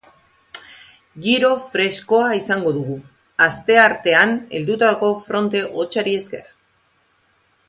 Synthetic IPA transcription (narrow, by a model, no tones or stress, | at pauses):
ɡiɾo̞fɾe̞sko̞aisaŋɡo̞ðuɣu | ast̪e̞aɾt̪e̞ane̞̰ld̪ut̪aðko̞fɾo̞nt̪e̞ʔo̞t͡ʃaɾie̞ske̞̰ɾa